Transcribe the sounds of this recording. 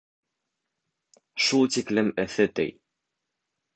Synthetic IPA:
ʃulˠt̪iklɘmɘ̆θɘt̪ɘ̰j

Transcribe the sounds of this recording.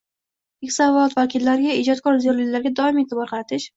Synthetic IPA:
ɪkʲsaɒɒt̪vakʲɪlːaɾɪɡʲaɪd͡ʒɒt̪̚kʰɒɾzjoɾlɪɡʲlaɾɡʲad̪ɒɪme̞t̪ʰɪbɒɾqʰɑɾat̪ʰɪʃ

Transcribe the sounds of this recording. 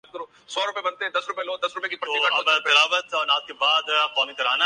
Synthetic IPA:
kɐɾoː | sɔːɾʊpebɐnt̪eɦɛ̃d̪ɐsɾʊpeloːd̪ɐsɾʊpekipɾt̪oiɐbt̪ɪlaːʋət̪ɔːnaːt̪̚kebaːd̪kaːmikɐɾaːna

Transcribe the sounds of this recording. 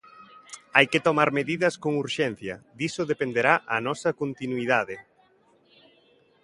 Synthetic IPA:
ajkɪt̪omaɾmeðiðɐskoŋuɾʃɛn̟θjɐd̪isʊðepend̪eɾaʔɐnɔsɐkont̪inuiðaðɪ

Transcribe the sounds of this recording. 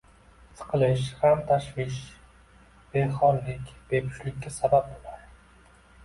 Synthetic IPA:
sʰɨ̥qʰɨlˠɪʃ̬hamt̪ʰaʃvɪʃ | b̥e̞χɒɾlɪkʲb̥e̞pʰʊ̥ʃlɪkʲːasabap̚bolaɾ

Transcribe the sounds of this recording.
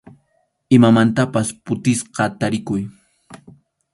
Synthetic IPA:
ɪmamant̪apaspʊt̪ɪsqɑt̪aɾɪkʊj

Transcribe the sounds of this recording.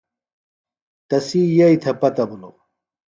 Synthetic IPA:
t̪ɐsijɐjt̪ʰɐpɐt̪ɐbuno̰

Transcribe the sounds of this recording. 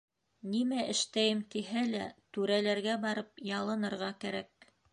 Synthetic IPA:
nimæʔɘ̆ʃt̪æjɘmt̪iɦælæt̪ʉɾælæɾɡæbɑɾɤp̚jɑlˠɤ̆nɤ̆ɾʁɑkæɾæk̚

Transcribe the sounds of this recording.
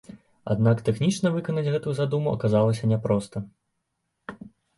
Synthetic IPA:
a̰d̪nakt̪ɛxnʲit͡ʂnɐvɨkɐnɐd͡zʲɣɛt̪ujuzad̪umuʔɐ̰kazalˠɐsʲɐnʲɛpɾɔst̪ɐ

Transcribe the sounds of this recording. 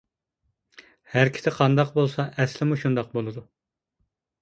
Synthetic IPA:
hæɾkʲʰɪ̥sɪqʰɑnd̪ɑqbolˠsɑʔɛslɪmuʃund̪ɑq̚bolˠɨd̪u

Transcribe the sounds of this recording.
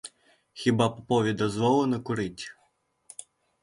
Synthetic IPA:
xʲibɑpɔpɔʋʲid̪ɐzʋɔlˠɔnɐkʊɾɪtʲ

